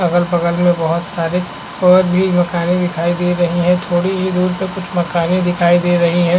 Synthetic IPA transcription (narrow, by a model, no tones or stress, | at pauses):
ɐɡəlpɐɣəlmẽbɐɦʊt̪saːɾe | ɔːɾbʱiːmɐkaːnĩd̪ɪkʰaːid̪eːɾɐɦiɦɛ̃t̪ʰoːɽiɦid̪uːɾpekʊt͡ʃʰmɐkaːnẽd̪ɪkʰaːid̪eːɾɐɦiɦɛ̃